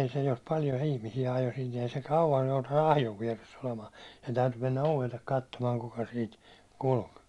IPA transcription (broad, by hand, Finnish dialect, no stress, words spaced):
ei se jos pɑljo ihmisiæ ɑjo sin̞ ei se kɑuwj joutɑnːu ɑhjoʋ ʋiɛresː olemɑː sen tæytyː menːæ oʋelːek kɑtːomɑː kukɑ siːt kulk